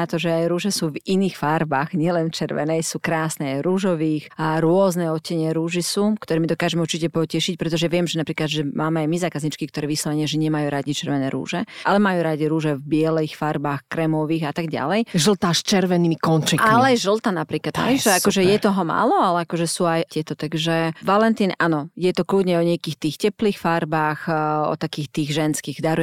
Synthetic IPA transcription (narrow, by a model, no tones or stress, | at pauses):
at̪ɔʒɛajɾuːʒɛsuːviniːxfaɾbaɣɲɪɛlɛnft͡ʃɛɾʋɛ̰nɛjsuːkɾaːsnɛajɾuːʒɔʋiːxaɾʊɔznɛɔcɛɲɪɛɾuːʒisuːkt̪ɔɾɛːmid̪ɔkaːʒɛmɛuɾt͡ʃicɛpɔcɛʃic̚pɾɛt̪ɔʒɛʋɪɛmʒɛnapɾiːklad̪ʒɛmaːmɛajmizaːkazɲit͡ʃkik̚t̪ɔɾɛːʋislɔʋɛɲɪɛʒɛɲɪɛmajuːɾadit͡ʃɛɾʋɛnɛːɾṵːʒɛʔalɛmajuːɾaɟiɾuːʒɛvbɪɛlɛxfaɾbaːxkɾɛmɔʋiːɣat̪aɡɟa̰lɛjʒl̩t̪aːst͡ʃɛɾʋɛniːmikɔnt͡ʃɛailɛajʒl̩ˠt̪anapɾiːklad̪ɦɛ̰jʒɛakɔʒɛjɛt̪ɔɦɔma̰ːlɔalɛakɔʒɛsuːajcɪɛt̪ɔt̪aɡʒɛʋalɛnt̪iːnʔanɔjɛt̪ɔklud̪ɲɛɔɲɪakiːxt̪iːxcɛpliːxfaɾbaxɔ̰t̪akiːxt̪iːɣʒɛnskiːɣd̪aɾɔ